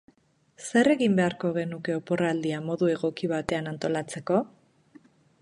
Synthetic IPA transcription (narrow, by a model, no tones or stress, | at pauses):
se̞re̞ɣimbe̞aɾko̞ɣ̞e̞nuke̞o̞po̞raːld̪iamo̞ðue̞ɣ̞o̞kiβ̞at̪e̞anant̪o̞lat͡se̞ko̞